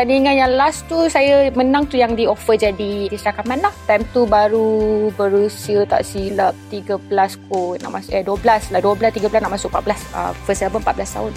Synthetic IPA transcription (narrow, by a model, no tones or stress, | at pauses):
tandiŋãnjaŋlast̪usajamənãŋt̪ujaŋdiofəd͡ʒadid̪isəɾakamãnlaht̪ajmt̪ubaɾubəɾusiət̪a̰ʔsilap̚t̪iɡəblaskɔna̰ʔmasʔɛduəblaslahduəbəlast̪iɡəpəlasnaʔmãsʊkʔ̚pat̪̚bəlasə̰fəsɛlbənpat̪̚blast̪a̰ɦʊn